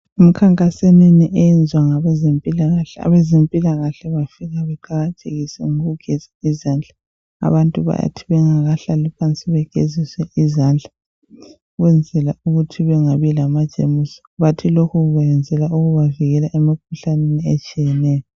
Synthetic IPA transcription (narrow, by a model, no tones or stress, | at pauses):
um̩kʰaŋkʼaseneniʔɛjɛnd͡zʱwaŋaβɛzempʼilaɣaɬɛa̰βɛzempʼilaɣaɬɛβafiɣaβɛǃaɣatʼʰeɣisɛ̰ŋoɣuɡ̥ʱɛz̥aizand͡ɮʱḁ | a̰βantʼuβa̰ja̰tʰiβɛŋaɣaɬalipʰant͡sʼiβɛɡ̥ʱeziswɛʔizand͡ɮʱa | ɣwɛnd͡zʱɛlauɣutʰiβɛŋaβilamad̥ʒ̥ʱʼemusɔ̥βatʰilokʰuɣuɣɛɛnd͡zʱɛlaʔuɣuβaviɣɛlaʔemik̚ʰuɬaneniɛt͡ʃʼijɛnɛːjɔ